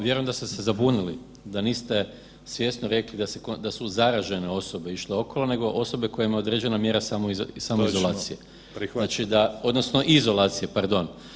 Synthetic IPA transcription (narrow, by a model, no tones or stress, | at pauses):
ʋje̞ɾoemd̪ast̪esezabunili | d̪aniːst̪e̞ | sʋje̞snoɾe̞klid̪asekod̪asuzaɾaʒe̞ne̞o̞so̞be̞iʃleo̞ko̞lˠone̞ɡo̞ʔo̞so̞be̞ko̞jemaod̪ɾed͡ʑe̞namje̞ɾasamosamizolaːsije | nat͡ʃid̪ao̞d̪no̞sno̞ʔizo̞lˠaːt̪sije̞paɾd̪o̞n